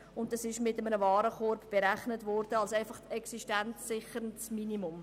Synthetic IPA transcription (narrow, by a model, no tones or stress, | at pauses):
ʊnt̚d̥ɑsɪʃmɪtəmənəvɑːɾəkɔɾbb̥eɾæχnətvɔɾdəɑlsæɪfɑχtɛksiʃtɛnt͡sːɪχəɾəntsminimʊm